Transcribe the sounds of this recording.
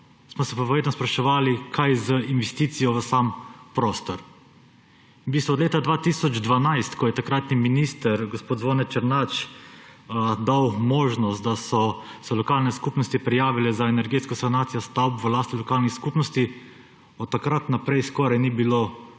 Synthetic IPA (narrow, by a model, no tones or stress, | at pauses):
smɔsɛpɔʋɾeːd̪nɔspɾaʃɛʋaːlikʰajzəinʋɛst̪it̪sijɔʋəsampɾoːst̪ɔɾ | bist̪ɔd̪leːt̪ad̪ʋaːt̪isɔd͡ʒd̪ʋanajst̪kɔjɛt̪akɾat̪niminist̪əɾɡospoːd̪zʋoːnɛt͡ʃəɾnat͡ʃ | d̪awmoːʒnɔst̪̚d̪asɔsɛlɔkaːlnɛskuːpnɔst̪ipɾɛjaːʋilɛzaɛnɛɾɡeːt̪skɔsanaːt̪sijɔst̪awpʋəlaːst̪ilɔkaːlnixskupnɔst̪i | ɔt̪ːakɾat̪napɾɛjskɔɾajnibilo